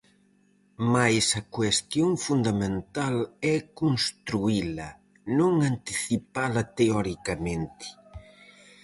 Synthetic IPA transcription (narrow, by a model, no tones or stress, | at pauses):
majsɐkwest̪joŋfund̪ɐmẽnt̪alɛkonst̪ɾuilɐ | nõŋant̪iθipalɐt̪eɔɾikɐmẽnt̪ɪ̥